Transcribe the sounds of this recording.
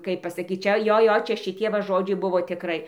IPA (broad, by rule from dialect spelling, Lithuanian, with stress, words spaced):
ˈkɐɪp pɐsɐˈkʲiːt ˈt͡ʃʲɛ ˈjoː ˈjoː ˈt͡ʃʲɛ ʃʲɪˈtʲiɛ ʋɐ ˈʒoːd͡ʒʲɛɪ ˈbʊʋoː tʲɪˈkrɐɪ